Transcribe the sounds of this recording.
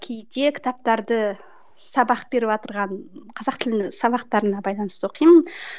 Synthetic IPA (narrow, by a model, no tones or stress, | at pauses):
kʲʰejt̪e̞kʲʰɪ̥t̪ɑp̚t̪ɑɾd̪ə | sɑbɑqb̥e̞ɾɪβot̪əɾʁɑɴqʰɑzɑqt̪ʰɪlɪnɪsɑbɑqt̪ɑɾənɑbɑjlˠɑnəst̪əoqʰijmən